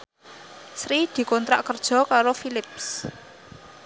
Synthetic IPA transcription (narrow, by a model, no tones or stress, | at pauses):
sɾid̪̥i̤kɔnt̪ɾa̰ʔkərd̥ʒ̥ɔ̤kaɾofilɪp̚s